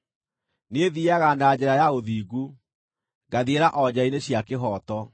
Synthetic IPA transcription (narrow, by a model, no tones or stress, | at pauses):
neðiaɣaːndaad͡ʑɛɾajaoðiːɡu | ɡaðieɾaʔɔd͡ʑaineɕjakeɦɔːtɔ